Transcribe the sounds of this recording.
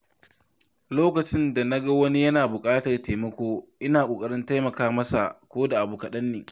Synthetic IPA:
loː˦kɐ˨t͡ʃɪ˦nda˨na˦ɡɐ˦wɐ˦ni˦jɐ˦naː˨bʊ˨kʼaː˦tɐ˨rteː˨mɐ˦kʷoː˦ʔɪ˦naː˨kʷoː˨kʼɐ˦ɽɪ˦nta˦jmɐ˨kaː˦mɐ˦sa̰˨kʷoː˦da˨ʔa˨buː˨kɐ˨ɗɐ˦nːɪː˨ŋ

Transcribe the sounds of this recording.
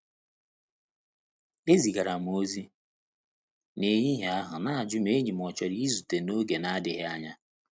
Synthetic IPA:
e˦zi˨ɡa˨ɾa˨m˨o˦zi˦ | ne˨ɲi˦ɦe˦a˦ɦʊ˨na˦a˨d͡ʒʊ˦me˦ɲi˨m˨ɔ˨t͡ʃɔ˨ɾi˦i˦zu˨te˨no˦ɡe˨na˦dɪ˨ɦɪ˦a˦ɲa˦

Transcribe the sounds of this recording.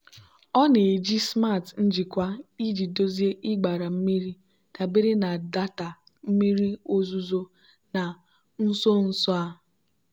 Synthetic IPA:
ɔ˦ne˨d͡ʒi˦sma˦˨tn̩˦d͡ʒi˨kʷa˦i˦d͡ʒi˨do˦zi˦e˦ʔɪ˦ɡ͡ba˨ɾa˨m̩˦mi˦ɾi˦ | ta˨be˦ɾe˦na˨da˦ta˨ | m̩˦mi˦ɾi˦o˦zu˦zo˦ | na˨ | n̩˦so˦n̩˦sɔ˦a˦

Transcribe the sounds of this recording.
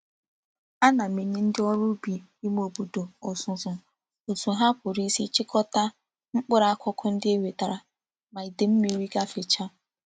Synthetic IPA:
a˦na˨me˨ɲi˦n̩˦dɪ˦ɔ˦ɾʊ˦bi˨ | i˦m˦o˨bu˨do˨ɔ˨sʊ˨zʊ˨ | o˨zu˨ɦa˦pʊ˨ɾi˦si˦t͡ʃɪ˦kʰɔ˦ta˦ | ŋ͡m̩˦k͡pʊ˦ɾa˨a˦kʷɔ˦kʰʊ˦n̩˦dɪ˦e˦we˨ta˨ɾa˨ | ma˨i˨de˨m̩˦mi˨˦ɾi˦ɡa˦fɪ˨t͡ʃa˦

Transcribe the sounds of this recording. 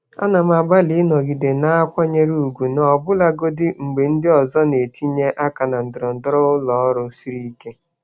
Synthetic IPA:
a̰˦na˨m˦a˨ɡ͡ba˦li˨˦nɔ˨ɡi˨de˨na˦a˦kʷɔ˦ɲe˦ɾu˦˨u˨ɡu˨n˨ɔ˨bʊ˦la˦ɡo˦dɪ˦ŋ͡m̩˨ɡ͡be˨n̩˦dɪ˦ɔ˨zɔ˦ne˨ti˦ɲe˦ʔa˦ka˨na˨n̩˨dʊ˨ɾɔ˨n̩˨dɔ˦ɾɔ˦ʊ˦lɔ˨˦ɔ˦ɾʊ˦si˦ɾi˦ke˦

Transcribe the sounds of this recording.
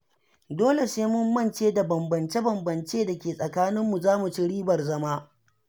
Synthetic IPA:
doː˦le˨seː˦mʊ˦mːɐ˦nt͡ʃeː˦da˨bɐ˨mbɐ˨nt͡ʃe˦bɐ˨mbɐ˨nt͡ʃeː˦da˨kʲeː˨sʼɐ˨kaː˦nɪ˦mːu˨zaː˦mu˨t͡ʃi˦ɽiː˦bɐ˨rzɐ˦maː˦

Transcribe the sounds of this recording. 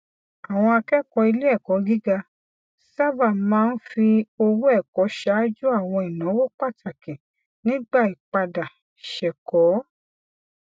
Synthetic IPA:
a˨w̃ɔ̃˧a˧kɛ˦kɔ˧i˧le˦ɛ˦˨kɔ˨˦ɡi˦ɡa˧ | sa˦ba˦˨mãː˦n̩˦fi˧o˧wu˦ɛ˦˨kɔ˨˦ʃa˦d͡ʒu˦a˦˨w̃ɔ̃˧i˨nã˨˦wo˦k͡pa˦˨ta˨kɛ̃˨ | nĩ˦ɡ͡ba˦˨i˨k͡pa˧da˨ | ʃɛ˨kɔ˨˦

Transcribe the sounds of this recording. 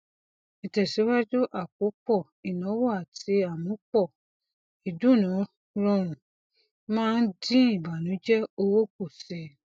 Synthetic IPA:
ɛ˨tɛ˨si˨˦wa˦d͡ʒu˦ʔa˦˨ko˨˦k͡pɔ˦˨ | i˨nɔ̃˨˦wɔ˦a˨tʰi˧˦a˦˨mũ˨˦k͡pɔ˦˨ | i˨du˦˨nã˨˦ | ɾɔ˧ɾ̃ũ˨ | mãː˦˧n̩˦dĩ˦ĩ˦˨ba˨nũ˨˦d͡ʒɛ˦o˧wo˦ko˦˨sɛ˨

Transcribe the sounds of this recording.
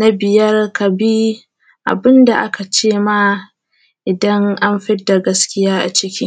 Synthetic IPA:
na˦bɪ˨jɐ˦rkɐ˨bi˦ | ʔa̰˨bɪ˦nda˨ʔa˦ka˨t͡ʃeː˦maː˦ | ʔɪ˨dɐ˦ŋʔa˦mɸɪ˦da˨ɡɐ˦skʲɪ˦jaː˦ʔa̰˨t͡ʃɪ˦kʲɪ˦ŋ

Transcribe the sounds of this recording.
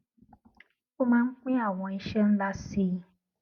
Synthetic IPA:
o˦mãː˦n̩˦k͡pĩ˦a˦˨w̃ɔ̃˧i˧ʃɛ˦n̩˦la˧si˧˦

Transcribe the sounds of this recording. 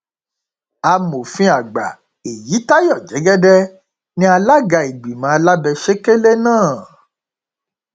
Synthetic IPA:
a˧mo˨fĩ˦a˨ɡ͡ba̰˨ | e˨ji˨˦ta˦jɔ˦˨d͡ʒɛ˨˦ɡɛ˦dɛ˦ | nĩ˦a˧la˦ɡa˧i˨ɡ͡bi˨mã˨˧˦a˧la˦bɛ˧ʃe˦ke˦le˦nãː˦˨

